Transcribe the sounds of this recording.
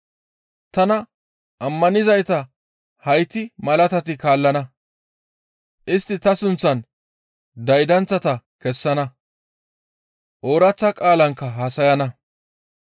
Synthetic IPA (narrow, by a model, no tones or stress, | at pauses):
t̪ɐnɐ | ʔɐmːɐnɪzɐjt̪ɐ | hɐjt̪ːɪmɐlɐt̪ɐt̪ɪkaːlːɐnɐ | ʔɪst̪ːɪt̪ɐsʊnt͡sːɐn | d̪ɐjd̪ɐnt͡sːɐt̪ɐkɛsːɐnɐ | ʔoːɾɐt͡sːɐkʼaːlɐŋkːɐɦɐsɐjɐnɐ